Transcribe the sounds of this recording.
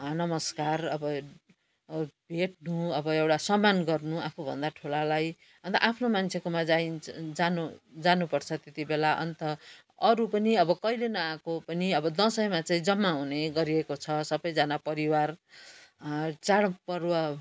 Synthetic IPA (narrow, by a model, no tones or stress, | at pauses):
nʌmʌskarʌbʌ | bʱeʈ̚nuʌbʌewʈasʌmanɡʌrnuapʰubʱʌ̰nd̪aʈʰulalaj | ʌnt̪ʌ̰ʔapʰnomant͡sʰekomad͡zaind͡zanod͡zanupʌrt͡sʰʌt̪et̪ibelaʔʌ̰nt̪ʌ | ʌɾupʌniʌbʌkʌjlenʌãkopʌniʌbʌd̪ʌ̃sʌjmat͡saĩd͡zʌmːaɦuneɡʌɾiekot͡sʰʌsʌbʌjd͡zanapʌɾiwar | t͡saɽpʌrwa